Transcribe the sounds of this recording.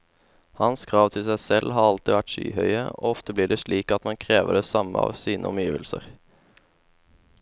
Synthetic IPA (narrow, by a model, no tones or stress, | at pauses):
hɑnskʰʁɑːʋt̪ʰɪlsæɪsɛlɦɑːɑlt̪ɪʋæʈʃy̰ːhœʏəoːɔft̪əbliːɖɛːʃliːkɑt̪mɑnkʰʁeːʋəɖɛːsɑməɑ̰ːʋsiːnʔəɔmjiːʋəlsə̰ʁ